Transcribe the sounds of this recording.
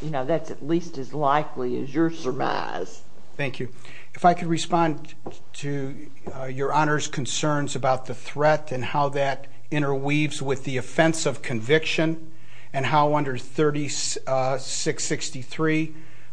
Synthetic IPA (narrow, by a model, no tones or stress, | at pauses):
jɨnoʊðætsɨtˡlistɨzlaɪkliɨ̰zjə˞sə˞ma̰ɪz̥ | θæ̃ŋkʰjʉ | ɨfaɪkʰɨd̚ɹɨspɑ̃n | tʰɨ | jə˞ɑñə˞z̥kʰɨ̃n̩sɜ̃˞nzɨbaʊt̪̚ðɨθɹɛɾɨ̃nhaʊðɨɾ | ɪ̃ɾ̃ə˞wivzwɪðiɨfɛ̃nsʌv̥kʰɨ̃ɱvɪkʃɨ̃n | ɨ̃nɦaʊʌ̃ndə˞θɜ˞ɾis | sɪksɪkstiθɹi